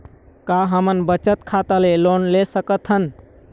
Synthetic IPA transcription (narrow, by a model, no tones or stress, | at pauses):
kaɦəmənbət͡ʃət̪kʰat̪əlelonlesəkət̪ʰɦən